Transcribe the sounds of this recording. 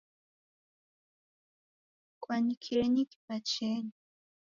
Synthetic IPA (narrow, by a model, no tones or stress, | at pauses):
kʷwanikʰiɾeɲiki̥pat͡ʃeɲi